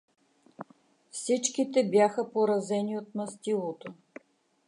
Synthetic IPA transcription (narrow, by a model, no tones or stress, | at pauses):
fsit͡ʃkit̪ɛbjaxəpoɾɐzɛniot̪̚nɐst̪ilˠot̪o